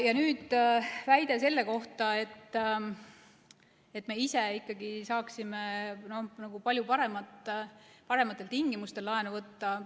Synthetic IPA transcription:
jɑnyːd̪̥væjd̪̥ese̞lːe̞ko̞ht̪ɑe̞t̪ː | et̪ːˑme̞ise̞ikːˑɑɡisɑːksimeno̞hnɑɡ̥upɑlʲjupɑɾe̞mɑt̪ːˑpɑɾe̞mɑt̪ːˑe̞lt̪iŋɡ̥imust̪e̞lːɑenuvɤt̪ːɑ

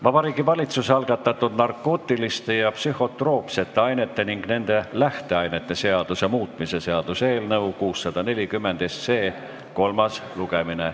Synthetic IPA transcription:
vɑb̥ɑɾiːɡivɑlʲit̪suseɑlɡ̥ɑt̪ːˑɑt̪ːˑud̪nɑrkːˑo̞ːt̪ːˑilist̪e̞jɑpsyho̞t̪ro̞ːpse̞t̪ːe̞ɑjne̞t̪ːˑe̞niŋɡ̥ne̞nd̪e̞læht̪e̞ɑjne̞t̪ːˑe̞se̞ɑd̪̥usemuːt̪ˑmise̞se̞ɑd̪̥use̞ːlnɤwkuːsːɑd̪̥ɑne̞lʲikymːe̞nd̪̥est̪se̞ː | ko̞lmɑsluɡ̥e̞mine

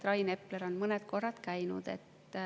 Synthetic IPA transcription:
t̪ɾɑjne̞pleɾo̞nmɤnet̪ko̞rːɑt̪kæjnṵd̪̥e̞̰t̪ːˑ

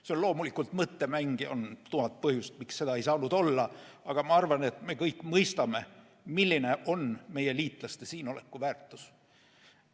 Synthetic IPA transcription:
seonlo̞ːmulikːˑult̪mɤt̪ːe̞mæŋɡio̞̰nt̪uhɑt̪̚pɤhjust̪̚miksse̞d̪ɑe̞jsɑːnud̪̥o̞lːɑɑɡ̥ɑmɑɑrvɑne̞t̪me̞kɤjkːˑmɤjst̪ɑme̞ | milʲːine̞ʔo̞nme̞je̞liːt̪ˑlɑst̪e̞siːno̞le̞̰kːuvæːrt̪ːˑu̥s

